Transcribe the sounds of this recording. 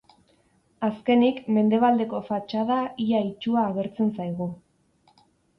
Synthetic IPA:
aske̞nikme̞nd̪e̞βald̪e̞ko̞fat͡ʃaðaiait͡ʃuaːɣe̞ɾt͡se̞nsajɣ̞u

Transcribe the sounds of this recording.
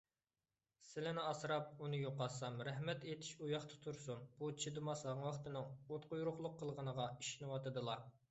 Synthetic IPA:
sɪlɪnɪɑsɨɾɑp̚unɨjoqɑsɑmɾɛhmɛt̪et̪ʰɪ̥ʃujɑχt̪ʰɑ̥t̪ʰuɾsunb̥ut͡ʃʰid̪ɨmɑshɑŋwɑχt̪ɨnɨŋot̪qʊjuɾʊχlˠʊqʰːəlˠʁənəʁɑiʃinɨwɑt̪ɨd̪ɨlˠɑ

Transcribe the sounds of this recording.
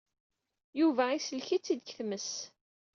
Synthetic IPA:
juvæisəlçit͡sːid̪çθməs

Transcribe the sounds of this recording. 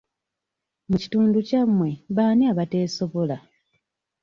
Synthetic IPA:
muci̥tuːnducamːwe̞βaːniaβate̞ːso̞βo̞la

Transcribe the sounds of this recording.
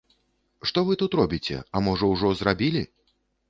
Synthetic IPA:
ʂt̪ɔvɨt̪ut̪ɾɔbʲit͡sʲɛ̰amɔʐɔwʐɔzrabʲilʲi

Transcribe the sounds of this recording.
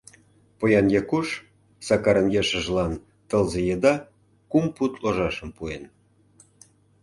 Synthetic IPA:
pojɑnjekuʃ | sɑkɑɾənjeʃə̆ʒlɑn | t̪ɤ̆lzejed̪ɑ | kumput̪loʒɑʃəmpuen

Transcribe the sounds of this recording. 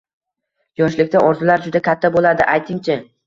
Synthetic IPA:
jɒʃlɪkʲt̪aʔɒɾzʊlaɾd͡ʒʊd̪akʲʰat̪ʰːabolad̪ɪʔajt̪ʰɪŋt͡ʃʰɪ

